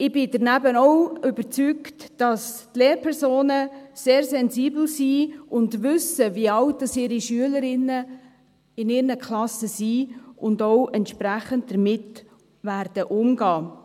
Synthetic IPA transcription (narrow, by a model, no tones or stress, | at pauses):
ɪb̥ɪdəɾnæbənɔʊʏbəɾt͡syktd̥ɑstleːɾpʰɛɾsoːnəseːɾsɛnziːbl̩siːʔʊndʋʏsəviəɑwt̚dɑsɪːɾiʃyələɾɪnːə | ɪnɪːɾnəkʰχlɑsəsiːʊndoʊʔɛntʃpɾæχənt̚dəɾmɪt | væɾd̥əʔʊmɡɑː